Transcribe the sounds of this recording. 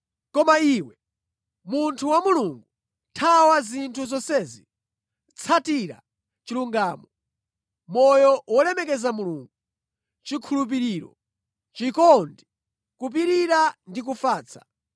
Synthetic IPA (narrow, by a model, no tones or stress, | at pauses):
kɔmaiwɛ | muntʰuwamuluŋɡu | tʰawazintʰuzɔsɛːzi | t͡sʰatiɾa̰ | t͡ʃiluŋɡaːmɔ | mɔjɔwɔlɛmɛkɛzamuluŋɡu | t͡ʃikʰulup̬iɾiːɾɔ̰ | t͡ʃikɔndi | kup̬iɾiɾandik̬ufaːt͡sʰḁ